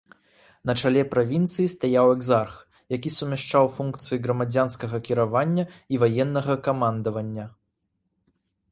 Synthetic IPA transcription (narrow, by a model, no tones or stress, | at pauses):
nɐt͡ʂalʲɛpɾavʲint̪sɨjist̪ajawɛɡzarx | jakʲisumʲaʂt͡ʂawfunkt̪sɨjiɣɾɐmad͡zʲanskɐɣɐkʲiɾavanʲːɐivajɛnːɐɣɐkamand̪ɐvɐnʲːɐ